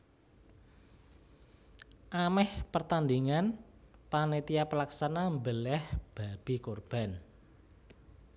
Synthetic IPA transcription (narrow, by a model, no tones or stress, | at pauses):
ʔamɛhpərt̪and̪iŋanpanet̪iapəlaksanambəlɛhb̥a̤b̥i̤korb̥a̤n